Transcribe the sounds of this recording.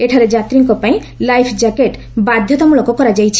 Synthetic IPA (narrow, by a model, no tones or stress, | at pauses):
eʈʰaɾed͡ʒat̪ɾiŋkɔpaĩ | lajpʰd͡ʑakeʈ | bad̪ʱjɔt̪amulɔkokɔɾad͡ʑajt͡ɕʰ